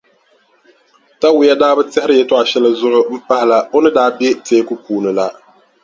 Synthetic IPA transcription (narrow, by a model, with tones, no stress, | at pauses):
ta˦wɪ˨˦ja˦daː˦bɨ˦tɛ˦hɪ˦ɾɨ˦jɛ˦to˦a˨ʃɛ˦lɨ˦zʊ˦ʔʊ˦m̩˦pa˦hɪ˦˨la˦o˦nɨ˦daː˦bɛ˦teː˦ku˦puː˨nɨ˨la˦